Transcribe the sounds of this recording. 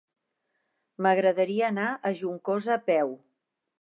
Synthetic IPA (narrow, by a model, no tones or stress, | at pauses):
məɣɾəðəɾiəːnaʔəʒuŋkozəːpɛw